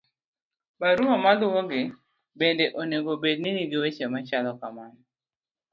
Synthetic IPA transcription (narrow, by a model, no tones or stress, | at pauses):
baɾuɦɔmalʊwɔɡɪ | bendeʔoneɡobed̚niniɡɪwet͡ʃɛmat͡ʃalɔkaman